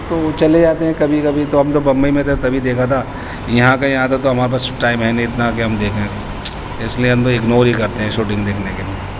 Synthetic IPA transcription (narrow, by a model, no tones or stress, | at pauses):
t̪oːt͡ʃɐled͡ʒaːt̪eɦɛ̃kɐbʱikɐbʱit̪oɦɐmt̪obɐ̃mbəimẽt̪ʰet̪ɐbʱid̪eːkʰat̪ʰaː | jɐɦãkajɐɦãt̪ʰat̪oɦɐmaːɾep̬aːsʈaːɪmɦɛnẽɪt̪nakiɦɐmd̪eːkʰẽ | ɪslieɦɐ̃mt̪oɪɡnoːɾikɐɾt̪eɦɛ̃ʃuːʈɪ̃ŋɡd̪eːkʰnekelie